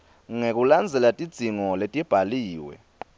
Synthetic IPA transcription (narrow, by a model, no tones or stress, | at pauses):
ŋek̬ʼuland͡zʱɛlatʼid̥z̥ʱiŋɔletʼib̥ʱaliːwɛ̰